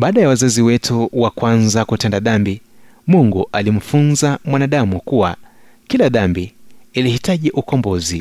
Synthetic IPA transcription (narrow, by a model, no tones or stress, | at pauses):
ɓaːɗajawazaziwɛtʰuwakwanzakutɛndaɗambi | muŋɡuʔalim̩funzamwanaɗamukuwa | kilaɗambiilihitaʄiʔukɔmbɔzi